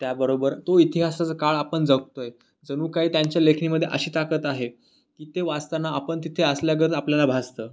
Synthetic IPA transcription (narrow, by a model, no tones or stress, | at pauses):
t̪jabəɾobəɾt̪oit̪iɦasat͡səkaɭapəɳd͡zək̚t̪oj | d͡zənuːkaɦiːt̪jaɲt͡ɕjalekʰniːməd̪ʱːjeʔə̰ɕiːt̪akət̪aɦe | kiːt̪eʋast̪anaapəɳt̪̬it̪ʰeəsljaɡət̪apljalabʱast̪əː